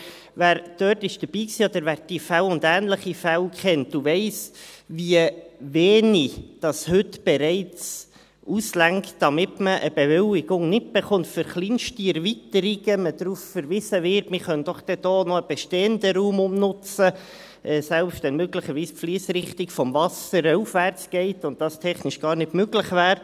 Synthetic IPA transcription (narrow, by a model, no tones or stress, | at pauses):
væːɾd̥œːtɪʃd̥əɾb̥iːksiːod̥̪əɾvæːɾd̥ifælʊndæːnləχifælkχɛntduvɛɪsviəveːnid̥ɑshʏtb̥ɛɾɛɪt͡s | ʔuslæŋktd̥ɑmɪtməʔəbevɪlɪɡʊŋnɪt̚b̥eχʊntfəɾχliːnʃtiɛɾvitəɾiɡəməd̥ɾuːffəɾvɪzəvɪɾtmɪχœnd̥ɔχd̥ɛd̥oːnɔəb̥ɛʃteːəndəɾuːmʊmnʊt͡sə | ʔɛːsɛlpʃtʋɛnmøɡləχəɾviːspfliːsɾɪχtɪkfɔmvɑsəɾəufvært͡sɡ̥ɛɪtʊnt̚d̥ɑstʰɛχnɪʃɡ̥ɑːɾnɪtmøɡləχvæːɾ